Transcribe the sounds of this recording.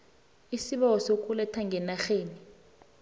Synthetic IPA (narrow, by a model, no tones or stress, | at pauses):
isiɓɔɔsokʼulɛtʰaŋɡʱɛnaxeːni